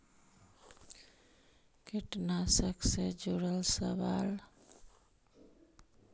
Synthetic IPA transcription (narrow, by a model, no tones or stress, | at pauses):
kiʈnasəksed͡ʒuɾəlsəʋal